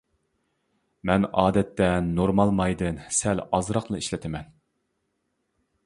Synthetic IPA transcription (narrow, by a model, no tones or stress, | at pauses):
mɛnɑːd̪ɛt̪ːɛnoɾmɑlˠmɑjd̪ɨnsɛlɑzɾɑqlˠɨiʃlɪt̪ʰɪmɛn